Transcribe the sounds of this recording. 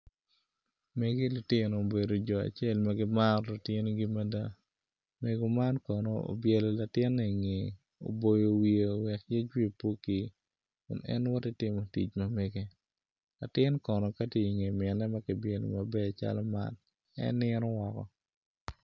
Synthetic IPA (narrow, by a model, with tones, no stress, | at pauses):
me˨ɡe˦lʊ˨tɪ˦no˨o˨be˨do˨d͡ʒɔ˨a̰˨t͡ʃe˦lma˦ɡɪ˦ma˦ɾlʊ˨tɪ˦n˦ɡi˦ma˦da˦ | me˨ɡo˨ma˦nkɔno̰˦o̰˨bjɛ˨lɔ˨la˨tɪ˦nːɛ˨ŋe˨ | o̰˨bo˨jo˨wi˨e˨wɛ˨kje˦t͡ʃwi˦˨po˦ki˨ | kʊ̰˨nɛ̰˦nwɔ˦tɪ˦tɪ˦mo˨tḭ˨t͡ʃmɐ˨mɛ˦ɡe˦ | la̰˨tɪ˦nkɔ˨nɔ˨ka˦te˦i˨ŋe˨mɛ˨nɛ˦mɐ˦kɪ˨bjɛ˨lɔ̰˨mɐ˨bɛ˦a˨t͡ʃa̰˦lɔ˦ma̰˦n | ɛ̰˦nːɪnɔ˦wɔ˨kɔ̰˨